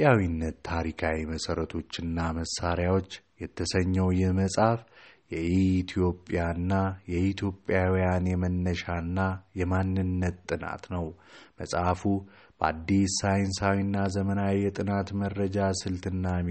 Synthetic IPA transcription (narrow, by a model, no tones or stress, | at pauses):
pʼjawinːət̪ːʰaɾikʰawiməsəɾət̪ʰo̞t͡ʃːɪnːaməsːaɾjawo̞t͡ʃːjɛt̪ʰːəsəɲːəwjɛhməsʼafjɛiːt̪ʰijo̞pʼjanːajɛit̪ʰjo̞pʼjawijanjɛmənːəʃanːajɛmanːɨnːət̪ːʼɨna̰t̪nəwməsʼafu | b̥əa̰d̪ːisajnsawinːazəmənawijɛt̪ʼɨnat̪mərːəd͡ʒasɨlt̪ɨnːa